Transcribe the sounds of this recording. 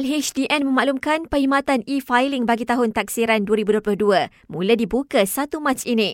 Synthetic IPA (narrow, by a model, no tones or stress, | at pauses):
lɦet͡ʃdiʔɛnmə̃maʔlumkanpəhimãt̪anifajlɪŋbaɡit̪aɦʊnt̪ak̚siɾanduəɾibuduoplʊhduə | mũladibukasat̪umãt͡ʃinĩ